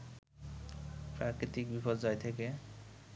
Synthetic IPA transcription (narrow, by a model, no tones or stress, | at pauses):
pɾakɾit̪ik̚bipɔd͡ʑajt̪ʰeke